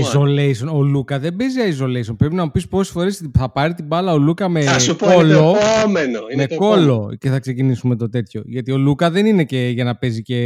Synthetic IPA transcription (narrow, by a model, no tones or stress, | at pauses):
izolejsonolukɐðe̞mbeziɐizo̞le̞isonpɾe̞pinɐmupispo̞se̥sfo̞ɾe̞sθɐpɐɾit̪ibɐlɐo̞lukɐme̞ɐsupolomenomekko̞lo̞ce̞θɐkse̞cinisume̞t̪o̞t̪e̞t̪ço̞ʝɐt̪io̞lukɐðe̞nine̞ce̞ʝɐnɐpe̞zice̞